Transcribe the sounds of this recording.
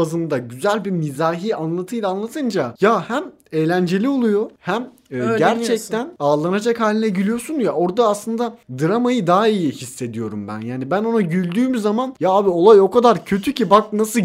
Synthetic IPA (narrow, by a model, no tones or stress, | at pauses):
azɯnd̪aɟyzælʲbimizaːɦiːanlˠat̪ʰɯjlˠaːnlˠat̪ʰɯnd͡ʒajahæm | ejlʲænd͡ʒe̞lʲio̞lˠujo̞hæmː | ɟæɾt͡ʃʰɛc̚t̪ʰænaːlˠanad͡ʒakhaːlʲinɛɟilʲijo̞sunjao̞ɾd̪aːslˠɯnd̪ad̪ɯɾamajɯd̪aɦijihisːe̞d̪ijo̞ɾumbæ̰njaːnibæno̞naɟylʲd̪yːmyzamanjaabio̞lˠajo̞kad̪aɾcʰø̞t̪ʰycibak̚nasɯ